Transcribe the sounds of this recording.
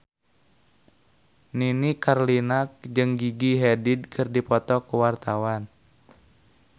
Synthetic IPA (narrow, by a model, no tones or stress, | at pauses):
ninikarlinak̚d͡ʒɨŋɡiɡiɦɛdid̚kʰɨrdipɔt̪ɔkuwart̪awan